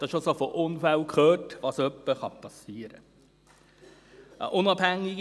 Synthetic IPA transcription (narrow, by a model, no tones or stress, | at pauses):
d̥ɑʃosofoʔʊnfælkχøːtʋɑːsœpːəχɑpɑsiːəɾə̰ | ʔə̰ʔʊnɑb̥hæŋːiɡ